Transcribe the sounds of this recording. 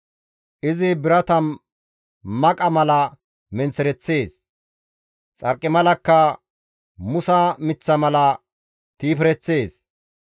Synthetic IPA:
ʔɪzɪbɪɾɐt̪ɐn | mɐkʼɐmɐlɐ | mɛnt͡sːɛɾɛt͡sːe̞ːs | t͡sʼɐɾkʼːɪmɐlɐkːɐ | mʊsɐmɪt͡sːɐmɐlɐ | t̪iːpɾɛt͡sːe̞ːs

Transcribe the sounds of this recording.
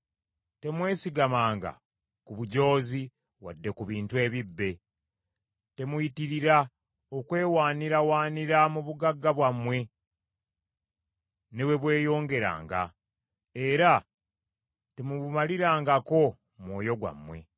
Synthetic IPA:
te̞mwe̞ːsiɡamaːŋɡa̰ | kuβuɟo̞ːzi | wa̰dːe̞kuβiːntue̞ːβibːe̞ | te̞mujitiɾiɾa | okwe̞ːwaːniɾawaːniɾamuβuɡaɡːaβwamːwe̞ | neβwe̞βwe̞ːjo̞ːŋɡe̞ɾa̰ːŋɡa̰ | eɾa | te̞muβumaliɾaːŋɡako̞ | mwo̞ːjo̞ɡwa̰mwe̞̰

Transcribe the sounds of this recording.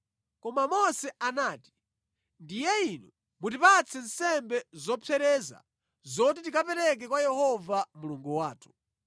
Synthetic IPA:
kɔmamɔsɛanaːti̥ | ndijɛinu | mut̬ipat͡sʰɛn̩sɛmbɛzɔpʰɛɾɛza̰ | zɔt̬itikapɛɾɛk̬ɛkwajɛhɔvamuluŋɡuwaːtʰu̥

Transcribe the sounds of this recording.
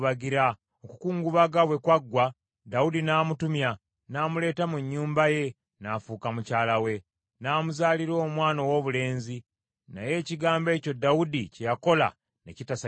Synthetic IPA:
βaɡiɾa | okukuːŋɡuβaɡaβwe̞kwaɡwa | daudinaːmutumja | naːmule̞ːtamuɲːuːmbaje̞ | nafuːkamucaːlawe̞ | naːmuzaːliɾo̞ːmwaːnowo̞βule̞ːnzi | naje̞ːciɡaːmbe̞ːco̞daudicejako̞la̰ | ne̞̰citasa

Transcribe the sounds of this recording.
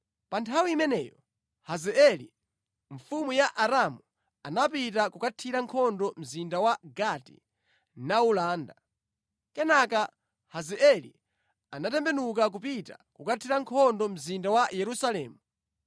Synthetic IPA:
pantʰawiːmɛnɛːjɔ | hazɛɛli | ɱfumujaʔaɾamu | anapitakukatʰiɾaŋkʰɔndɔm̩zindawaɡatḭ | naulaːnda | kɛnaka | hazɛʔɛlḭ | anatɛmbɛnuk̬ak̬upita̰kukatʰiɾaŋkʰɔndɔm̩zindawajɛɾusalɛːmu

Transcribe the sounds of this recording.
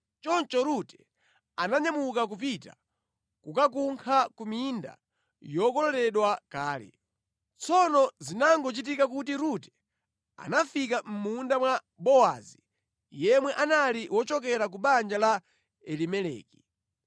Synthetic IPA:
t͡ʃɔnt͡ʃɔɾutɛ̥ | anaɲamukak̬up̬ita̰ | kukak̬uŋkʰakuminda̰ | jɔkɔlɔlɛɗwakaːlɛ̰ | t͡sɔnɔzinaŋɡɔt͡ʃit̬ikak̬utiɾutɛ̥ | a̰nafik̬am̩mundamwa | ɓɔazi | jɛmwɛʔanaliwɔt͡ʃɔkɛɾak̬uɓand͡ʒala | ɛlimɛlɛ̰ːki̥

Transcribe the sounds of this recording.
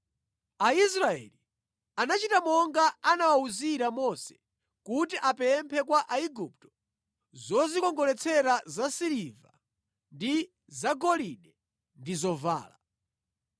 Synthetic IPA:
ais̬ɾaɛ̰li | anat͡ʃitamɔŋɡaanawauziɾamɔsɛ̥ | kutiʔapɛmpʰɛkwaʔaiɡup̚tɔ̥ | zɔzikɔŋɡɔlɛt͡sʰɛɾazasiɾiva̰ | ndi | zaɡɔlinɛ | ndizɔva̰ːla

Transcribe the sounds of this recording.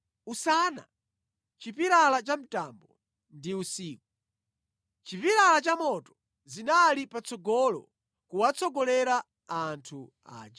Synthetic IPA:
usana̰ | t͡ʃipiɾalat͡ʃam̩tambɔ | ndiusiːk̚u | t͡ʃipiɾalat͡ʃamɔtɔ̥ | zinalipat͡sʰɔɡɔlɔ̰ | kuwat͡sʰɔɡɔlɛɾaː | ntʰu | a̰ːd͡ʒa

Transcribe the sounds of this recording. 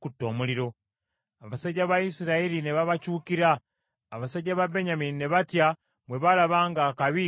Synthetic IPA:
kutːo̞ːmuliɾo̞ | aβasaɟaβaisiɾaeɾine̞βaβacuːkiɾaː | βasaɟaβabeɲaminine̞βatja | mwe̞βalaβaːŋɡakaβi

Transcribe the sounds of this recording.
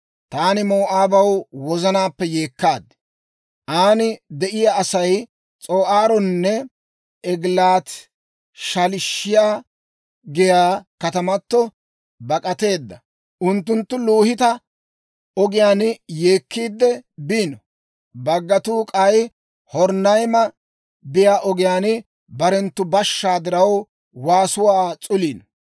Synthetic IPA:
t̪aːnɪmoːʔaːbɐwwɔzɐnaːpːɛjeːkːaːd̪ | ʔaːnɪd̪ɛʔɪjaʔɐsɐj | t͡sʼoːʔaːɾɔnːɛ | ɛɡlaːt̪ | ʃɐlɪʃːɪjaː | ɡɪjaːkɐt̪ɐmɐt̪ːɔ | bɐkʼɐt̪e̞ːd̪ːɐ | ʔʊnt̪ːʊnt̪ːʊluːhɪt̪ɐ | ɔɡɪjaːnjeːkːiːd̪ːɛbiːnɔ | bɐɡːɐt̪uːkʼɐj | hɔɾnɐjmɐ | bɪjaːʔɔɡɪjaːnɪ | bɐɾɛnt̪ːʊbɐʃːaːd̪ɪɾɐw | waːsʊwaːt͡sʼʊliːn

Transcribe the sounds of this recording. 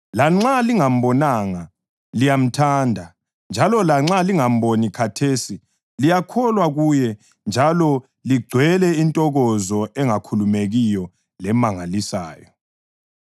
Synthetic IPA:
laŋ͡ǁaliŋam̩bɔnaŋa | lijam̩tʰandʱa | nd͡ʒʱalɔlaŋ͡ǁaliŋam̩bonikʰatʰeːsi | lijakʰɔlwaɣujɛ | nd͡ʒʱalɔ | liɡ͡ǀʱwɛlɛintʼɔɣɔzɔɛŋakʰulumeɣijɔ | lɛmaŋalisa̰ːjɔ

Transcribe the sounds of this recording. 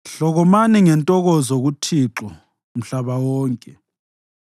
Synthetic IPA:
ɬɔɣɔmaniŋɛntʼɔɣɔzoɣutʰiǁɔ | m̩ɬaβawɔːŋkʼɛ

